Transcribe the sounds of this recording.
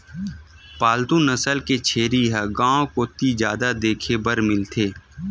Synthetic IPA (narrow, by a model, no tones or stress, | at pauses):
paːlt̪ũnəsəlket͡ʃʰeːɾiɦɛɡãːõkot̪izjaːd̪ad̪eːkʰebəɾmɪlt̪ʰeː